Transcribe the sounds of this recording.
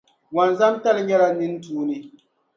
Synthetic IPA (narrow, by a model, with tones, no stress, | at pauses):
wa˨nza˦mta˦lɨ˨˦ɲɛ˦la˨nɨ˦n˦tuː˦nɨ˦